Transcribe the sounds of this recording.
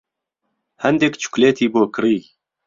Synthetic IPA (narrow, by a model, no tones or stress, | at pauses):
hɛnd̪ɛkt͡ʃʰu̥kleːt̪ʰiːboːkɨɾiː